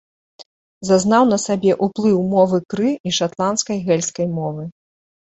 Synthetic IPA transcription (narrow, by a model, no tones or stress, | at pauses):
zaznawn̪ɐsabʲɛʔuplˠɨwmɔvɨkɾɨiʂat̪lˠanskɐjɣɛlʲskɐjmɔvɨ